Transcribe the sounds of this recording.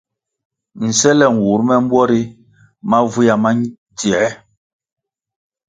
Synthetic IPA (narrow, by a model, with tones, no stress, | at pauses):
n̩˨sɛ˦lɛ˦˨ŋ˨wu˨˦ɾmɛ˦m̩˦bwɔ˦ɾi˦ | ma˦vu˦ja˨ma˦ | dɛ˨ɛ˦